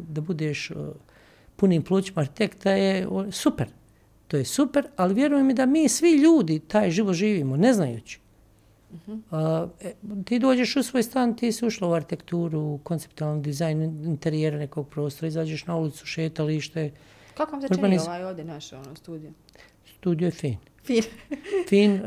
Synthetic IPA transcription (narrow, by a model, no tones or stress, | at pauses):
d̪abud̪eːʃ | puniːmplˠuːt͡ɕimaɾçi̥t̪ekt̪ajeosupeɾ | t̪oːjesupeɾaliʋje̞ɾujemjed̪amiːsʋiʎuːd̪it̪aːjʒiʋot̪ʒiːʋiːmone̞znajṵːt͡ɕi̥ | t̪iːd̪o̞ːd͡ʑe̞ʃusʋoːjst̪aːnt̪iːsiuʃlauaɾçit̪e̞kt̪uːɾuko̞nt̪ep̚t̪ualˠnoɡd̪izajnint̪e̞ɾijeɾane̞ko̞ɡ̚pɾo̞ːst̪oɾaizaːd͡ʑeʃnaulit̪su̥ʃe̞ːt̪aliːʃt̪e | kakoʋamzɾɾbaniajoʋd̪jenaʃonost̪uːd̪ijo | st̪uːd̪ijojefḭːn | finfiːn